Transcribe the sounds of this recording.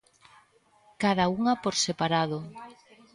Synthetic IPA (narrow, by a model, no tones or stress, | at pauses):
kaðauŋapoɾsepaɾaðo